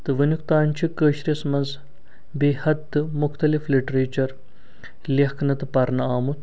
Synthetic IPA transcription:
t̪ɨʋɐnʲukt̪aːnʲt͡ʃʰikəːʃɾʲismɐnz | beːhɐd̪ɨmuxt̪ɐlifliʈɾeːt͡ʃɐɾ | lehkʰnɐt̪ɨpɐɾnɐaːmut̪

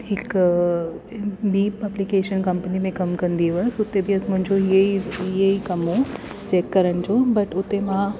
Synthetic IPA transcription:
ɦɪk | biːɐblikeːʃənkɐ̃mpənimẽkɐmkɐ̃nd̪ieʋɐsʊt̪ːebʱiɐsmʊ̃ɦɪ̃ɲd͡ʑoɦieiieikɐmo | t͡ɕɛːkːɐɾəɽ̃ɪd͡ʑobɐʈʊt̪ːemã

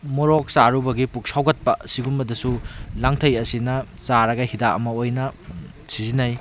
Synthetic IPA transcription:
mɔɾok̚saɾubɐɡipuk̚sawɡɐt̚pɐsiɡunbɐdɐsulaŋtʰɐjɐsinɐ | saɾɐɡɐhidaɐ̰mɐojnɐ | sizinaj

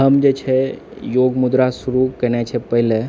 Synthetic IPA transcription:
əmd͡ʒet͡ʃʰe | joɡmud̪ɾasuɾukənet͡ʃʰepəɦile

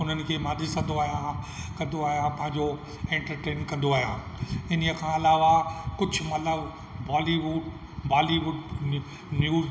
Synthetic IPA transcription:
ʊn̤ənɪ̆kʰeːmãːnd̪isɐ̃nd̪oaːɦjãkɐ̃nd̪oaːɦijãpɐ̃ɦɪ̃ɲd͡ʑo | ẽːɳʈəɾʈeːnkɐ̃nd̪oaːɦijã̰ːɪniəkʰãːɐlaːʋakʊd͡ʑʱʊ̆mɐt̪ləb | baːliʋʊɖ | baːliʋʊɖ | njuː

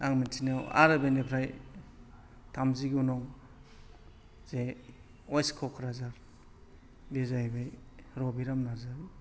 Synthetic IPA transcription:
aŋmintʰinawa̰ɾabenipʰɾaj | tʰamziɡunɔŋ | z̥e | ɔjskʰɔkʰɾazaɾ | bezajbajɾɔbiɾamnazaɾi

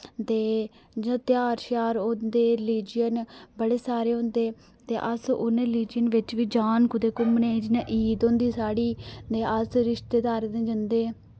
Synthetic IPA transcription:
t̪eː | d͡ʒãt̪ɪjaːɾʃaːɾod̪eːɾɪliːd͡ʒijənbəɽeːsaːɾeːɦʊ̃nd̪eː | t̪eːʔəsʊ̰nɾɪliːd͡ʒijənʋɪt͡ʃʋiːd͡ʒaːnkʊd̪eːkʊmneːd͡ʒɪnẽːʔiːd̪õːnd̪iːsaːɽiːd̪eːəsɾɪʃt̪eːd̪aːɾd̪ẽːd͡ʒənd̪eː

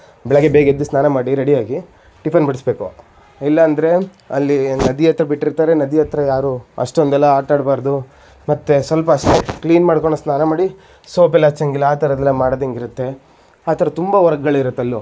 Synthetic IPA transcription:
bɛɭɐɡebeːɡed̪ːusnaːnɐmaːɽiɾeɽijaːɡi | ʈipʰɐnbɐɽisbe̞ːku | ilːɐːnd̪ɐɾe̞ | ɐlːinɐd̪iɐt̪ɾɐbiʈːiɾt̪aːɾe̞nɐd̪ijɐt̪ɾɐjaːɾuɐ̰ʂʈond̪ɛlːɐaːʈaːɽbaːɾd̪u | mɐt̪ːesʋɐlpɐːʂʈekliːnmaːɽkoɳːosnaːnɐmaːɽi | soːpɛlːɐt͡ʃːɐŋɡilɐaːt̪ʰɐɾɐd̪ɛlːɐmaːɽod̪eŋɡiɾut̪ːe̞ | aːt̪ʰɐɾɐt̪umbɐʋɐɾɡɐɡɐɭiɾut̪ːɐlːu

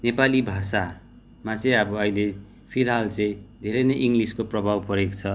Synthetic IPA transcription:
nepalibʱasa | mat͡sʌĩʌbʌʌjle | pʰiɾɦalt͡sʌĩd̪ʱeɾʌjnʌjʔiŋɡliskoprʌbʱawpʌɾekt͡sʰʌ

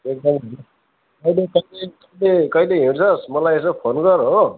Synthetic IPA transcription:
ek̚d̪ʌmɦune | kʌjlekʌjlekʌilekʌjleɦeɽsʰʌsmʌlajes̬ʌpʰonɡʌɾɦo

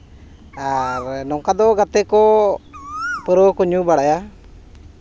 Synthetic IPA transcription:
aɾnɔŋkad̪ɔɡat̪ɛkɔ | pəɾokuɲubaɽaja

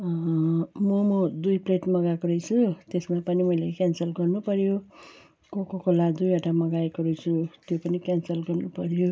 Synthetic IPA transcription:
mʌmʌd̪ujpleʈmʌɡakoɾʌjt͡sʰut̪esmapʌnimʌilekjansʌlɡʌrnupʌɾjo | kokokolad̪ujaʈamʌɡaekoɾujt͡sʰut̪jopʌnikansʌlɡʌrnupʌɾjo

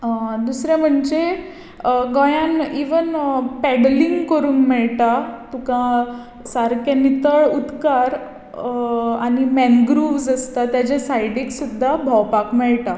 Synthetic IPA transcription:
d̪usɾɛ̃m̤əɳd͡ʑe | ɡɔ̃jãniʋənpɛɽliŋɡkəɾuːnmɛɭʈat̪ukã | saɾkɛnit̪əɭut̪kaɾ | animɛnɡɾuʋd͡zəst̪at̪jat͡ɕesajɖiksud̪ʱːabʱawpakmɛɭʈa

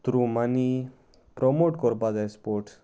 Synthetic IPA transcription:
t̪ɾumani | pɾɔmoʈkɔɾbad͡zajspoɾʈ

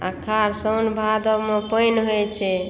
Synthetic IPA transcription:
a̰kʰaɾsənbʱad̪ɔmẽpəjnɦojt͡ʃʰɛ

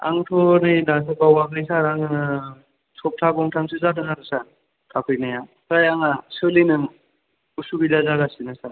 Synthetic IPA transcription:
a̰ŋtʰɔnɯjdasʰɯbawaɡɾisaɾaŋɯɯ | sʰɔp̚tʰaɡɔŋtʰaŋsɯzadɯŋaɾɯsan | kʰapʰɯjnaja | kʰajaŋasɯlinɯm | usubilazaɡasinɯsaɾ

